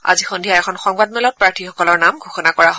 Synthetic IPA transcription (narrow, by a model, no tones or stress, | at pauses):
a̰zixondʱijaɛkʰɔnxɔŋbad̚mɛlɔt̚pɹaɹtʰixɔkɔlɔɹnamɡʱoxɔnakɔɹaɦo